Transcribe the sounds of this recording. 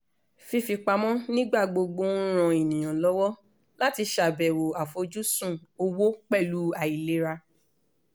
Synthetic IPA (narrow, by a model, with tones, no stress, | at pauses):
fi˧fi˧k͡pa˧mɔ̃˦nĩ˦ɡ͡ba˦˨ɡ͡bo˧ɡ͡bõ˧˦ɾ̃ã˧e˨nĩ˨j̃ã˨lɔ˦wɔ˦ | la˦ti˧ʃa˨bɛ˨wo˨a˨fo˧d͡ʒu˦sũ˦˨o˧wo˦k͡pɛ˦˨lu˨˦a˨i˨le˦ɾa˧